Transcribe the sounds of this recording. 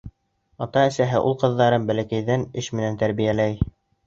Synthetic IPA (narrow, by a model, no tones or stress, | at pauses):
ɑt̪ɑɘ̆sæɦɘʔulˠqɤ̆ðːɑɾɤmbælækæjðænɘʃmɘ̆nænt̪æɾβijælæj